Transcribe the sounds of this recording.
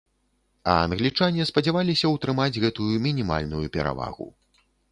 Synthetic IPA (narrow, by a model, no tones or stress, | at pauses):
ɐ̰ɐ̰nɣlʲit͡ʂanʲɛspɐd͡zʲavalʲisʲɐwt̪ɾɨmad͡zʲɣɛt̪ujumʲinʲima̰lʲnujupʲɛɾa̰va̰ɣṵ